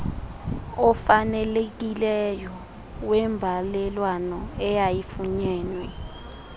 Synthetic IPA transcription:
ɔfanɛlek̬ʼilɛjɔ | wɛmbʱalɛlwanɔɛjajifuɲɛːnwɛ

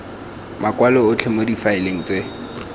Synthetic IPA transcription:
makʼwalɔʊt͡ɬʰemodifaɪleŋ̩t͡sʼe

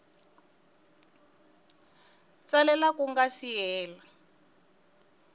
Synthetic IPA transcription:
t͡salɛlakuŋɡasijɛːla

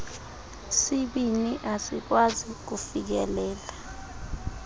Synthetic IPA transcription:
siɓiniʔasik̬wazik̬ufik̬ɛlɛːla

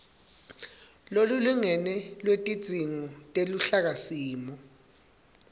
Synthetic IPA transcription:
loluluŋɛnɛlwetʼid̥z̥ʱiŋɔtʼeluɬak̬asiːmɔ

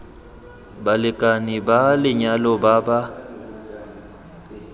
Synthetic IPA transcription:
balɪkʼanibalɪɲalɔbaba

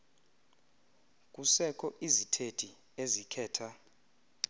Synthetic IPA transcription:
k̬ʼusɛkʰɔʔizitʰed̥ʱi | ezikʰɛːtʰa

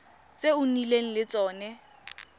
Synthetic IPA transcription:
t͡sʼeʊnileŋ̩lɪt͡sʼɔːnɛ

